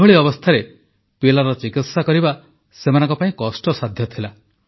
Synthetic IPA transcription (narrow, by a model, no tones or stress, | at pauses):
ɔɭiɔbɔst̪ʰaɾe | pilaɾɔt͡ʃikit̪sakɔɾiba | semanɔ̃ŋkɔpãĩkɔsʈɔsad̪ʱjɔt̪ʰila